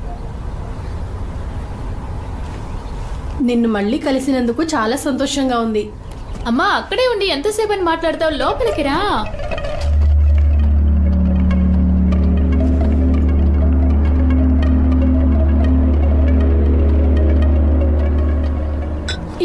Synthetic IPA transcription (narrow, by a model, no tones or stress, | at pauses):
ninːumɐɭːiːkɐlisinɐnd̪ukut͡ʃaːlaːsɐnt̪ɔːʂɐŋɡaːund̪i | ɐmːaːɐkːɐɽe̞ːunɖ̪ient̪ɐsɛːpɐnimaːʈlaːɽut̪aːwlɔːpɐlɐkiɾaː